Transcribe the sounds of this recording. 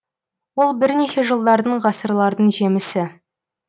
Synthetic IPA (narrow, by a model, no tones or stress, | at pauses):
wo̞lˠbɪɾne̞ʃe̞ʒəlˠd̪ɑɾd̪əɴʁɑsəɾlˠɑɾd̪əɴʒe̞mɪsɪ